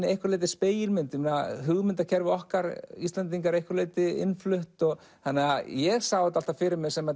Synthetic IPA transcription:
ɪejhkvaɾleːt̪ɪspeːjɪlmɪnt̪jʏmɪnaɦʏɣmʏnt̪acʰɛɾvɪɔhkaɾist̪lant̪iŋk̬aɾejhkaɾleːt̪ɪɪ̰nflʏht̪ɔɣ | θanːɛɣajɛɣsawɪt̪al̥t̪afɪɾɪɾmɪɣsɛma

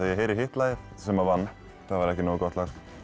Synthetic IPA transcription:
ajɛɦeːjɾɪɾhɪht̪laːjɪθ | sɛmavanː | θaðvaɾɛhcɪnoːɣkɔht̪laxt̪

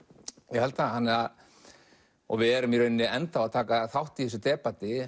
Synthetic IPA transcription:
jɛhɛlt̪ahanːɪað | ɔ̰ɣvɪðɛɾʏmjɛɾœɥnːɪɛnt̪awat̪ʰaːkaθawht̪i̥θɛs̬ʏt̪ɛːpat̪ɪ

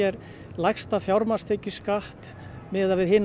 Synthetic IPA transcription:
ɛɾ | lajxst̪afjawɾmast̪ʰeːcʏskaht̪ | mɪːðavɪðhɪn

